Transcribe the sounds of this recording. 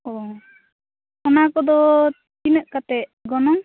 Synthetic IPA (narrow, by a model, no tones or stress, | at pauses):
ɔ | ɔnakɔd̪ɔ | t͡ʃinəʔkat̪ɛʔɡɔnɔŋ